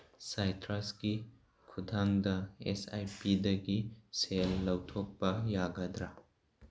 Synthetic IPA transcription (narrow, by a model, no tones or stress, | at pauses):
sajtɾasɡi | kʰudʱaŋdɐḛsa̰jpidɐɡiselːɐwtʰopːɐjaɡɐdɾa